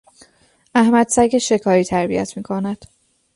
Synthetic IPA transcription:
æhmæd̪sæɟeʃe̞kʰɒːɾiːt̪ʰæɾbḭjæ̰t̪ʰmiːkʰonæd̪̥

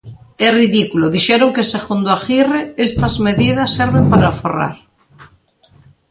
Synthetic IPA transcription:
ɛriðikuloðiʃɛɾoŋkeseɣund̪oaxireest̪ɐzmeðiðɐsːɛɾβempaɾafora̰ɾ

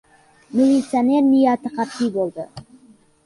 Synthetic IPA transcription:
milʲit̪sijane̞ɾnijɑt̪əqɑpibolˠd̪ə

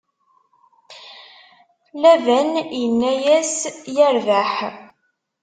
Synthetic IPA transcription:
læðənjənːæjæsjəɾvæħ

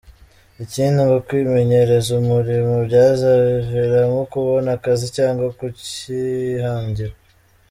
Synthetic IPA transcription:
iciːnduŋɡokwiːme̞ɲe̞ɾe̞zumuɾimobɟaːzaβveɾamokuβo̞nakazicaːŋɡwakucihaːɲɟiɾwa

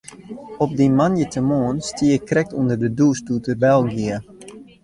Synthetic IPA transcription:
ɔp̚dimanjətʰəmoːnstiəkrɛk̚tundərdədustutəbɛlˠɡiə

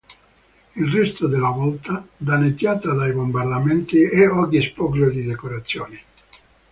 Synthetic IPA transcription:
ilrɛst̪ʊd̪elavɔlt̪ad̪anet̪jaːt̪ad̪ajbombard̪amɛnt̪iɛɔɡispɔkljod̪id̪ɛkoɾat̪sːjɔːnɪ

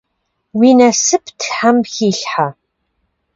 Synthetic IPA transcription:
wiːnɐsɨpʰtʰħamxiːɬħa

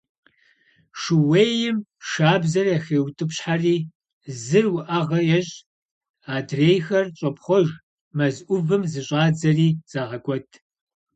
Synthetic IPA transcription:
ʂɨweːjɪmʃaːbzɐraxeːwtʰʼɨpɕħariː | zɨrwʊʔɐʁɐjɛɕʼ | aːdreːjxɐrɕʼɐpʰχʷɔʒ | mɐzʔʷʊvɨmzɨɕʼaːd͡zɐriːz̥aːʁɐkʷʼɔtʰ

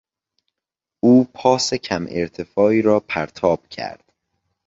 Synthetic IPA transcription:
uːpʰɒːsecʰæmʔḛɾt̪ʰe̞fɒːiːɾɒːpʰæɾt̪ʰɒːb̥cʰæ̰ɾd̪̥

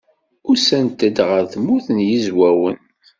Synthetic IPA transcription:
ʊɾsænt̪əd̪ʁəɾθmuθənjizwæwən

